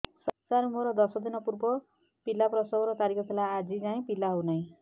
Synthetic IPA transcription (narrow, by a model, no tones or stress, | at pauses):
sʌnsaɾmoɾɔd̪ʌsɔd̪inʌpurbɔ | pilːaprʌsɔɡɾɔt̪aɾikʰɔt̪ʰelaːd͡zid͡zaĩpilaɦownʌj̃